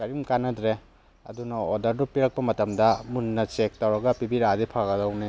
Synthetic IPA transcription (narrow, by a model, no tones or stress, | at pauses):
kɐɾimkanɐdɾe | ɐ̰dunɐodɐɾdupiɾɐk̚pɐmɐtɐmdɐmunːɐt͡ʃek̚tɐwɾɐɡɐpibiɾadipʰaɡɐdɐwne